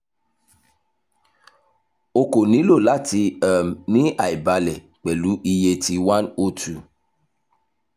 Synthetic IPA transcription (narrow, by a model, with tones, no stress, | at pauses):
o˧ko˨nĩ˨˦lo˦˨la˦ti˧ə˨mnĩ˦a˨i˨ba˧lɛ˨ | k͡pɛ˨lu˨˦ʔi˧je˧ti˧wa˦no˦tʰu˨